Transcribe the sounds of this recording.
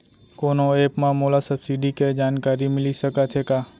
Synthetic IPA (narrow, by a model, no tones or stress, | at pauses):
konoepmãmolasəbsiɖiked͡ʒaːnkaɾimɪliʃəkat͡ʃʰekaː